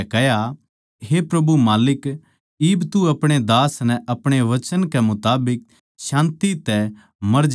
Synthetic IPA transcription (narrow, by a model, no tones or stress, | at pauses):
kɛja | ɦepɾɐbumaːlɪk | ɪbt̪uɐpɽ̃ed̪aːsnɛ̃ʔɐpɽ̃eʋɐt͡ʃənkɛmʊt̪aːbɪk̚ | ʃãːnt̪it̪ɛ | mɐɾd͡ʒ